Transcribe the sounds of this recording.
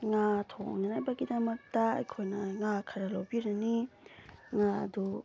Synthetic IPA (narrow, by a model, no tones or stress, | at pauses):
ŋatʰoŋnanajbɐɡidɐmɐk̚tɐɐ̰jkʰojnɐŋakʰɐɾɐlawbiɾɐni | ŋaɐ̰du